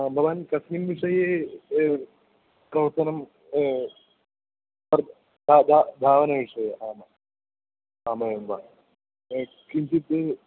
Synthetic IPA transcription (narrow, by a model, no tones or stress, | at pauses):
bʱɐʋaːnkɐsnimʋiʂɐje | kɐwsɐnɐm | ɐɾ | d̪ʱaːd̪ʱad̪ʱaːʋɐnɐʋiʂɐjeʔaːmɐ | aːmɐjɐmʋaː | kint̪it̪